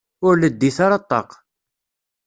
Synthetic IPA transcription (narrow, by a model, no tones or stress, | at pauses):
ʊɾləd̪ːiθaɾɑt̪ˤːɑ̰q